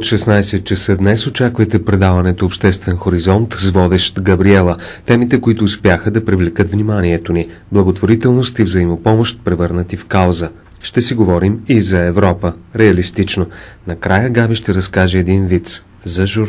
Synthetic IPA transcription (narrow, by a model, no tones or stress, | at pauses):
ot̪ʃɛsnajsɛt̪̚t͡ʃɐsəd̪nɛsot͡ʃakvəjt̪ɛpɾɛd̪avɐnɛt̪oːpʃt̪ɛst̪vɛnxoɾizɔnt̪zvɔd̪ɛʃt̪ɡɐbɾiɛlˠət̪ɛmit̪ɛkoit̪ʊːspʲjaxəd̪ɐpɾivlɛkɤt̪vnimaniɛt̪oni | blˠɐɡot̪voɾit̪ɛlˠnost̪ivzəimopɔmoʃt̪̚pɾɛvɤɾnət̪ifkalˠzə | ʃt̪ɛsiɡovɔɾimizɐɛvɾɔpəɾɛɐlist̪it͡ʃnonɐkɾajəɡaviʃt̪ɛɾɐskaʒɛɛd̪invit̪s | zɐʒuɾ